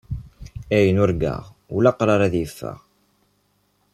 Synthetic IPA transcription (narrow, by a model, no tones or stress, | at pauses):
æjənʊɾɡæ̰ʁulɑqɾˤɑɾˤæðjəfːæ̰ʁ